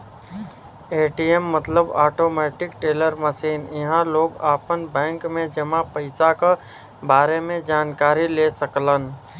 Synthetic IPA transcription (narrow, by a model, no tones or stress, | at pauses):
eːʈiemːət̪ləbaːʈoːmɛːʈɪkʈeːləɾməsiːnɪɦãloːɡaːpənbɛ̃ːŋkmẽd͡ʒəmãpəɪsaka | baːɾemẽd͡ʒaːnkaːɾilesəklən